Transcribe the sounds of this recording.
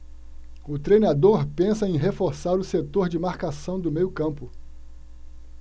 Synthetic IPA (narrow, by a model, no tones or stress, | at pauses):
ʊt̪ɾejnad̪oɾpẽsɐẽj̃ɦefoɾsaɾʊset̪oɾd͡ʒɪmaɾkasɐ̃w̃d̪ʊmejʊkɐ̃mpʊ